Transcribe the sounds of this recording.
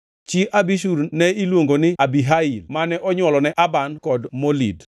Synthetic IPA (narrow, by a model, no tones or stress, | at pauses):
t͡ʃiʔabiʃuɾnɛilwoŋɡonɪabiɦailmanɛʔɔɲwɔlɔnɛʔabankɔdmolid